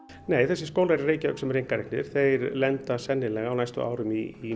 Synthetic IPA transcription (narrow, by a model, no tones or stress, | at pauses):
neːjθɛsːɪskoːwlaɛɾreːjcaœːksɛmrejŋkaɾeknɪɾ̥θejɾlɛnt̪asɛnːɪlɛɣawnajst̪ʏ̰ʔa̰ːwɾʏmiː